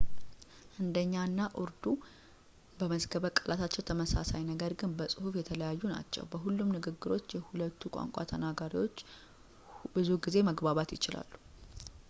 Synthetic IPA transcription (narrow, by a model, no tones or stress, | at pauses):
ʔɨnd̪əɲːanːaʔɨɾd̪u | bəməzɡəβəkʼəlʔat̪ʰat͡ʃːɛwt̪ʰəməsasajnəɡəɾɡɨnbəsʼɨhufjɛt̪ʰələjajːuna̰t͡ʃːɛ̰wbəɦulːumnɨɡɨɡːɨɾo̞t͡ʃːjɛhulət̪ʰːukʷʼa̰ŋkʷʼa̰t̪ʰənaɡaɾiwo̞t͡ʃː | bɨzuɡize̞məɡbaβat̪jɪt͡ʃɪla̰lːu̥